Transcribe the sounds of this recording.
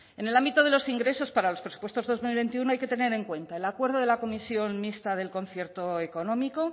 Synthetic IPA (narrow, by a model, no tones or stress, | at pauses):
e̞nelambit̪o̞ðe̞lo̞siŋɡɾe̞so̞spaɾalo̞spɾe̞su̥pwe̞st̪o̞zðo̞zmilβe̞nt̪iuno̞ajke̞t̪e̞ne̞ɾe̞ŋkwe̞nt̪ae̞lakwe̞ɾð̞o̞ð̞e̞lako̞misjo̞nmist̪aðe̞lko̞nθje̞ɾt̪o̞e̞ko̞nõ̞miko̞